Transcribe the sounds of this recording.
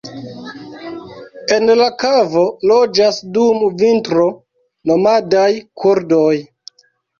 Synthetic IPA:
e̞nlakavo̞lod͡ʒasdumvintɾo | no̞madajkʰuɾdoj

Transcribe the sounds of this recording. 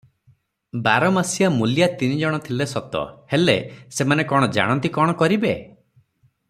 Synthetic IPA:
baɾɔmasijamuljat̪inid͡ʒɔɽ̃ɔt̪ʰilesɔt̪ɔ̰helḛsemanekɔɽ̃ɔd͡ʒa̰ɽ̃ɔ̃nt̪ikɔɽ̃ɔkɔɾibe

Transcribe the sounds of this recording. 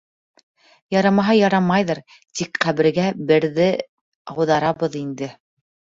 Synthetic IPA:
jɑɾɑmɑɦɑjɑɾɑmɑjðɤɾ | t̪ikqæβɘ̆ɾɡæbɘ̆ɾðɘ | ɑwðɑɾɑβɤðind̪ɘ

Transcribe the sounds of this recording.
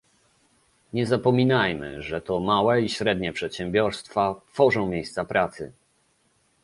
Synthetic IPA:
ɲɛzapɔmʲinajmɘ̰ʐɛt̪ɔmawɛiɕɾɛd̪ɲɛpʂɛt̪ɕɛmbʲjɔɾst̪fat̪fɔʐɔ̃w̃mʲjejst̪sapɾʔat̪sɘ̰

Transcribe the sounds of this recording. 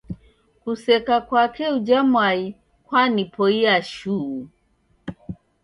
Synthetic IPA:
kusɛkakwakɛud͡ʒamwai | kwanipɔiaʃu

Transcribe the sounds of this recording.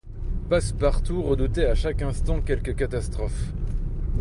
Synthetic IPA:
paspaʁt̪uʁəd̪ut̪eaʃakʲɛ̃st̪ɑ̃kʲɛlkəkat̪ast̪χɔf

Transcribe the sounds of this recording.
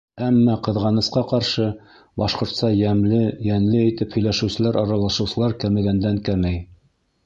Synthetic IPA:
æmːæqɤ̆ðʁɑnɤ̆sqɑqɑɾʃɤ | bɑʃqŏɾt̪sɑjæmlɘjæŋlɘit̪ɘphɵ̆jlæʃɘ̆wsɘ̆læɾʔɑɾɑlˠɑʃɤ̆wsɤ̆lˠɑɾkæmɘ̆ɡænd̪æŋkæmæj

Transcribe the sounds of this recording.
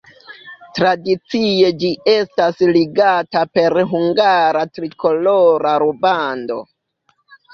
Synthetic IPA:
tɾadit͡sie̞d͡ʒie̞stasliɡatape̞ɾɦuŋɡaɾatɾikʰo̞loɾaɾubando̞̰

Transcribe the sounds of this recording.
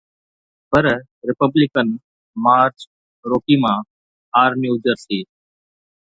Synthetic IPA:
pəɾ | ɾɪpəblɪkən | maːɾt͡ʃ | ɾoːkiːmãː | aːɾmiːʊd͡ʒəɾsiː

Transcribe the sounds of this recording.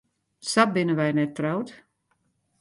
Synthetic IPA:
sabɪnəʋajnɛtːrawt

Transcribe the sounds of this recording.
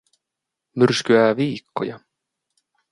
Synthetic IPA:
mʏɾ̥skʏaaviːkːɔ̰ja

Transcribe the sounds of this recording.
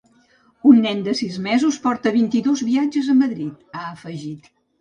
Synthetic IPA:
unːɛnd̪əsizmɛzuspɔɾt̪əβ̞int̪iðozβiad͡ʒəzəməðɾit̪aəfəʒit̪

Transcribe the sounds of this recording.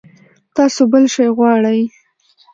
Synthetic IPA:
t̪ɑsobəlʃɑjɣwɑɽaj

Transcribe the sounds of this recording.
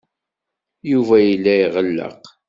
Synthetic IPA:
juvæjilːæjʁəlːə̰q

